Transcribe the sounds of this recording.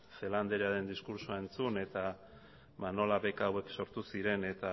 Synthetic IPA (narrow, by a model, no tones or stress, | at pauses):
fe̞land̪eɾaðe̞nd̪iskuɾsoae̞nt͡sune̞t̪a | βano̞laβe̞kawe̞kso̞ɾt̪usiɾe̞net̪a